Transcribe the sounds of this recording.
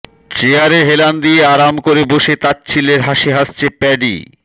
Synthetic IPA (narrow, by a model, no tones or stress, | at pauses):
t͡ɕeaɾeɦeland̪ieaɾamkoɾeboʃet̪at̪̚t͡ɕʰileɾɦaʃeɦast͡ɕʰepɛɖḭ